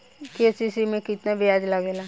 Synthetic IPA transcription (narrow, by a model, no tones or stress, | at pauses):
kesisimẽkɪt̪nabɪjaːd͡ʒlaɡelaː